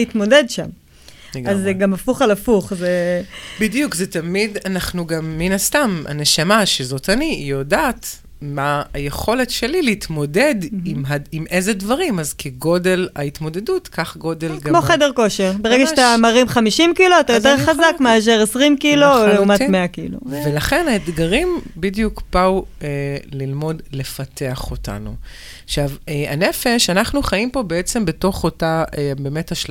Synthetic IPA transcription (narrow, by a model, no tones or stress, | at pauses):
it̪mo̞dedʃam | ɡazeɡamafuχalafuχzebidijukzet̪amidanaχnuɡamːinast̪ama̰neʃamaʃezo̞tanijodaːt̪ | maːjeχo̞letʃelileit̪mo̞de̞dimɦaimʔezedvaʁimazkʰeɡo̞delait̪mo̞de̞dutkaχɡo̞delɡamoχedeʁko̞ʃeʁbeeɡaʃtamaʁimχamiʃimkiloat̪ajoteʁχazakmaʃ̬eʁesʁimkilooleumatmeakḭlo̰velaχenaet̪ɡaʁimbidjukpauelilmo̞dle̞fateaχota̰nu | ʃaveanefeʃanaχnuχaimpo̞beet͡sembeto̞χotaʔebemetaʃ